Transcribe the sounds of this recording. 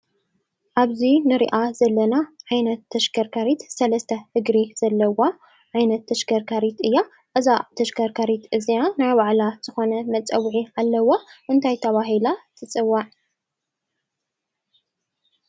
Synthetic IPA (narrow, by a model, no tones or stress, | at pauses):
ʔaβzinɨɾḭʔazɐlːɐnaʕajnɐt̪ːɐʃɡɐɾkʰaɾit̪sɐlɐst̪ʰɐhɨɡɾiz̥ɐlːɐwa | ʕajnɐt̪ʰːɐʃɡɐɾkʰaɾit̪ɨjːa | ʔɨzat̪ʰɐʃkɐɾkʰaɾit̪ʔɨzianajbaʕlaz̥ɨxonɐmɐt͡sʼɐwːʕiʕalːɐwaʔɨnt̪ʰajt̪ʰɐβaɦilat̪ʰɨt͡sʼɨwːaʕ